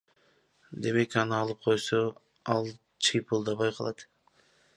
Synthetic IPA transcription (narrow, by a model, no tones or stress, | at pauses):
d̪e̞me̞kɑnɯɑlˠɯp̚qʰo̞jso | ɑlˠ | t͡ʃʰɯjpʰulˠd̪ɑβɑjqʰɑlˠɑt̪